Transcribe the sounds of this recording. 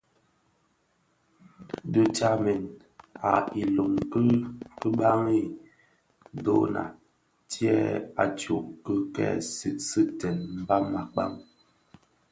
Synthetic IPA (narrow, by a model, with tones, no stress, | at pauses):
du˦t͡ʃa˦mɛ˨n | a˨i˨lo˨ŋkə˦kə˦ɓa˦ŋi˦˨ | do˦na̰˨ | tjɛ˦a̰˨t͡ʃu˨ʔkə˦kɛ̰˦˨si˦sɨ˦tɛ˨nm̩˦ba˦ma˨k͡pa̰˦˨ŋ